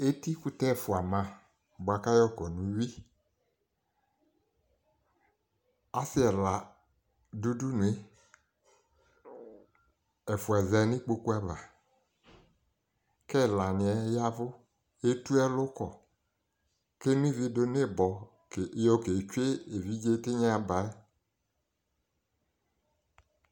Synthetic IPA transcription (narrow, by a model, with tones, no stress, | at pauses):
e˦ti˦ku˦tɛ˦˨fʊ˨a˨mã˨ | ba˨ka˦jɔ˦˨kɔ˨nũ˨˦wi˦ | a˦si˦ɛ˨la˨ | du˦du˦nũ˨e˦ | ɛ˨fʊ˨ɛ˨zɛ˨˦ni˦k͡po˧ku˦a˦va˨ | ke˦˨la˨nɪ˨ɛ˨ja˦vʊ˦ | e˦tu˦ɛ˦lʊ˦kɔ˨ | ke˦nũ˦i˦vi˧do˧n˦e˦˨bɔ˨˦ | jo˦ke˨t͡ʃwe˦e˨vi˦d͡ʒe˦te˦ɲa˦a˧ba˨ɛ˦